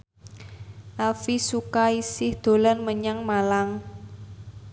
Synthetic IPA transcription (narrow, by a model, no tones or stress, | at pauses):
ʔalfisukaisɪhd̪̥o̤lanməɲaŋmalaŋ